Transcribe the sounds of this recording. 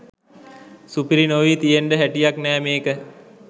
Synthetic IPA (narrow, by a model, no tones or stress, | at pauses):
supiɾinoʋiːt̪ijeɳɖəɦæʈijaknɛːmeːkə